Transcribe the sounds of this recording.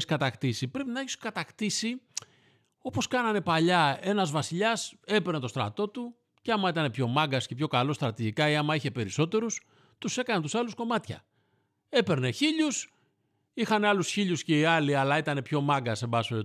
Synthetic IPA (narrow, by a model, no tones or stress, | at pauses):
skɐt̪ɐkt̪isipɾe̞pinɐeçiskɐt̪ɐkt̪isi | o̞po̞skɐnɐne̞pɐʎɐe̞nɐzvɐsiʎɐse̞peɾnet̪o̞st̪ɾɐ̰t̪o̞t̪u | ceɐmɐit̪ɐnepço̞mɐŋɡɐscepçokɐlo̞st̪ɾɐt̪iʝikɐiɐmɐiçe̞pe̞ɾiso̞t̪e̞ɾus | t̪use̞kɐnet̪usɐlusko̞mɐt̪çɐ̰ | e̞pe̞ɾne̞çiʎus | ixɐneɐlusçiʎusce̞iɐliɐlɐit̪ɐne̞pço̞mɐŋɡɐsembɐso